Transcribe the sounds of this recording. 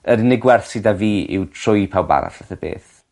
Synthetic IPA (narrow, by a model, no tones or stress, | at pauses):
əɾnɪɡwɛrθsɪdaviːɪ̰wtʰr̥ʊjpʰawba̰na̰ɬaθəb̥ḛːθ